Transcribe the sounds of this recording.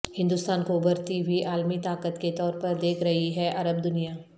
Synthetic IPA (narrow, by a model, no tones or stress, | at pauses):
hɪ̃nd̪ʊst̪aːnkobɐɾt̪iwʱiʔaːlmit̪aːkət̪ket̪ɔːɾpɐɾd̪eːkʰɾɐɦiɦɛʔɐɾəbd̪ʊnijaː